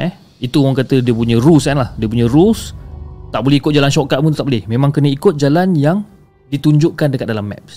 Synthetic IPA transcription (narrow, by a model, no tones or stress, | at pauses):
ɛ̰h | it̪uaŋkat̪ədiəp̬uɲə̃rusanlahdiəp̬uɲə̃ɾust̪aʔbolɛikʊt̪̚d͡ʒalanʃɔkat̪̚mũt̪ut̪aʔ̚bolɛhmemãŋkənəikʊt̪̚d͡ʒalanjaŋ | dit̪uɲd͡ʒʊʔkandəkat̪̚dalamːɛ̰p̚s